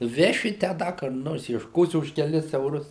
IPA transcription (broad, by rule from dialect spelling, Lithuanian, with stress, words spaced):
ˈʋʲæːʃʲɪ tʲæː ˈdɐ kʊr ˈnoːrs iɛʃˈkoːsʲɪ ʊʃ kʲɛˈlʲɪs ɛʊˈrʊs